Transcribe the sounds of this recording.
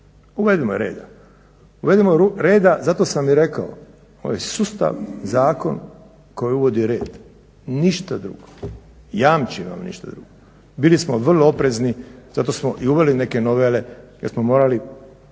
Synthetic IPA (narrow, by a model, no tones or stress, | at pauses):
uʋed̪imoɾḛːd̪a | uʋe̞d̪imoɾuɾe̞ːd̪azat̪o̞ːsamːiɾe̞kao | oʋajsust̪a̰ʋzaːko̞̰n | ko̞jiuʋo̞d̪iɾe̞̰ːd̪ | niʃt̪ad̪ɾṵːɡo | jaːmt͡ɕiʋa̰mnḭʃt̪ad̪ɾuɡo | bilismoʋr̩loopɾeznizat̪osmoʔiuʋeline̞kenoʋele̞jeɾsmomo̞ːɾali